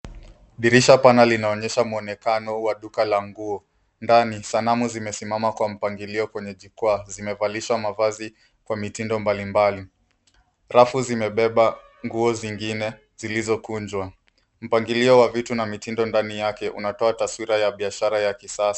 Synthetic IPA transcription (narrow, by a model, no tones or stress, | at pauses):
ɗiɾiʃapanalinaɔɲɛʃamuɔnɛkanɔwaɗukalaŋɡuɔ | ndanisanamuzimɛsimamakwam̩paŋɡiliɔkwɛɲɛʄikwaːzimɛvaliʃwamavazi | kwamitindɔmbalimbali | ɾafuzimɛɓɛɓa | ŋɡuɔziŋɡinɛ | z̥ilizɔkund͡ʒwa | m̩paŋɡiliɔwavitunamitindɔndanijakɛʔṵnatɔataswiɾajaɓiaʃaɾajakisasḁ